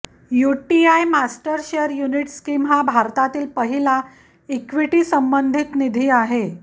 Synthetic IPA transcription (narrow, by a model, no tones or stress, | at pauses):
juʈiajmasʈəɾɕeɾjuniʈskiːmɦabʱaɾt̪at̪iːlpəɦila | ekʋiʈiːsəmbənd̪ʱit̪nid̪ʱiːaɦe